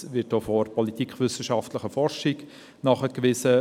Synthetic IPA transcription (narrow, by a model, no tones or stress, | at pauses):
ʋɪt̚d̥ofɔɾpʰɔlit̪ʰikχʋʏsəʃɑftləχəfɔrʃik | nɑχəkʋɪsə